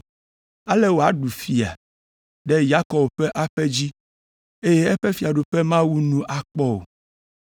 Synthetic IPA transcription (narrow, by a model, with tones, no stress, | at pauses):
a˦lɛ˦wo˨a˨˦ɖu˨fi˨a̰˨ | ɖɛ˦ja˦kɔ˨bɸɛ˦ʔa˦ɸɛ˦d͡ʑi˦ | e˦jɛ˦ɛ˦ɸɛ˦fi˨a˨ɖo˨ɸɛ˦mã˦wu˦nũ˦ʔa˨k͡pɔ˦o̰˨